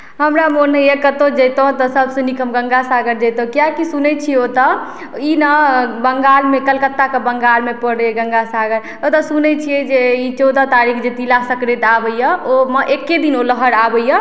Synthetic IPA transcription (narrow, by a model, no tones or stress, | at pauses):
ɦəmɾamonɦəjəkət̪od͡ʒəjt̪oɦt̪ɔsəbʱsə̃nikʰəmɡə̃ŋɡasaɡəɾd͡ʒəjt̪ɦkijakisunɛt͡ʃʰiot̪ɔ | inəbəŋɡalmekəlkət̪ːakəbəŋɡalmepəɽɛɡə̃ŋɡasaɡəɾ | ot̪ɔsunɛt͡ʃʰijɛd͡ʒeit͡ʃɔd̪at̪aɾikʰd͡ʒet̪ilasəkɾet̪abəijəoməʔekːed̪inoləɦəɾabəjə